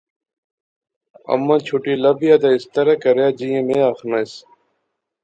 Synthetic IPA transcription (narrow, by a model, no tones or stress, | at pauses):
ə̰mːãːt͡ʃʰuʈiːləbɪjaːd̪aːɪst̪əɾaːkəɾjaːd͡ʒiːẽːmẽːaːxnas